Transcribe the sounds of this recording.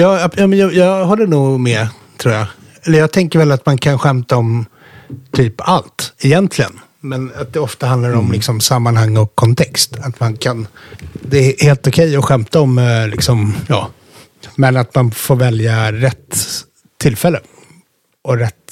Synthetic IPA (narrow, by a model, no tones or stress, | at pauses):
jɑːjɑːmɛnjɑjɑːɦɔlːənuːɡmɛ | t̪ʰɾuːɾja | ɛlːəɾjɑːɡt̪ʰɛŋkəɾvɛlːat̪mankʰanɧɛmt̪aɔm | t̪ʰyːpalt̪ɪjɛnt̪ʰlɪɡə̰n | mɛnat̪̚d̪ɛɔft̪aand̪laɾɔmlɪksɔmsamːanhaŋːɔkʰːɔnt̪ʰɛkst̪at̪mankʰand̪ɛːheːlt̪ʊkʰɛjːɔɧɛmt̪aɔmlɪ̰ksɔmjɑ̰ː | mɛnat̪manfoːɾvɛljaɾɛt̪ʰː | ɪlfɛlːə | ʔɔɾɛt̪ː